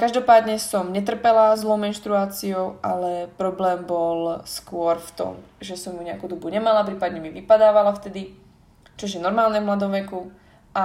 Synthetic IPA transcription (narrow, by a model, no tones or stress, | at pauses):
kaʒd̪ɔpaːd̪ɲɛsɔmɲɛt̪r̩pɛlazlɔʊmɛnʃt̪ɾuaːt͡siɔʊʔalɛpɾɔblɛːmbɔlskʊɔɾft̪ɔ̰m | ʒɛsɔmjuɲɛa̰kuːd̪ɔbuɲɛmalap̬ɾiːpad̪ɲɛmiʋipad̪aːʋalaft̪ɛd̪i | t͡ʃɔʒjɛnɔɾmaːlɲɛvmlad̪ɔmʋɛku | ʔa